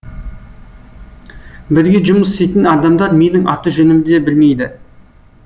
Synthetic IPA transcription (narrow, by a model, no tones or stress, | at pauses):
bɪɾɡʲe̞ʒʊməsst̪ejt̪ɪnɑd̪ɑmd̪ɑɾmʲejnɪŋʔɑt̪əʒɵnɪmɪd̪ebɪlme̞jd̪ɪ